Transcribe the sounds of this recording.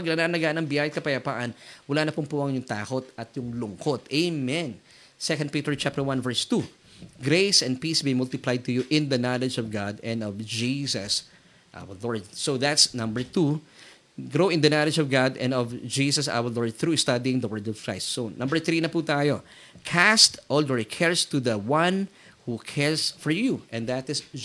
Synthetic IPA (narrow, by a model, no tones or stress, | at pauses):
pɐɡ̚nɐnanɐɡaʔnɐŋbjajɐkɐpɐjɐpa̰ːʔɐnwɐlaːnɐpʊŋpuʔɐŋjʊŋt̪aːko̞t̪ɐt̪jʊŋlʊŋkot̪ejmɛn | sɛkɐ̃nd̪̚pit̪ɛɹt͡ʃap̚t̪əɹwãnvɛɹst̪u | ɡɾejsɛ̃n̚pisbimʊlt̪ɪplajd̪̚t̪ʊjuʔɪ̃nd̪ɐnɑlɛd͡ʒɔvɡad̪ɛ̃nd̪ɔvd͡ʒisɐs | ʔa̰wɐllɔɹd̪̚soðat̪snɐ̃mbɛ˞t̪u | ɡɾoɪ̃nd̪ɐnalɛd͡ʒɔvɡad̪ɛ̰̃nɔvd͡ʒiːsɐsa̰wɐlɔɹd̪̚θɾust̪ad̪iɪ̃ŋd̪ɐwɜɹd̪ɔv̥kʰɹajst̪sõnːɐ̃mbəɹθɾiːnɐput̪aːjo | kʰæst̪ʔɔld̪ɔɹkʰɛɹst̪ud̪ɐwʌ̃n | hukʰɛɹsfɔɹjuʔɛ̃nd̪at̪ɪs